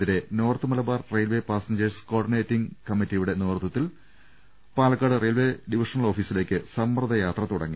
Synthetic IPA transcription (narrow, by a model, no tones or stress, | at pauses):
ðiɾe̞no̞ːrt̪ːɨmɐlɐbaːrrejlʋe̞ːpaːsɐɲd͡ʑɐrsko̞ːɖine̞ːtːiŋkɐmːitːijuɽe̞noːrt̪ɐt̪ːil | paːlɐkːaːɽɨrejlʋe̞ːɖiʋiʂɐnɐɭo̞ːfiːsile̞ːkʲːɨsɐmprɐðɐjaːt̪rɐt̪uɽɐ̰ŋːi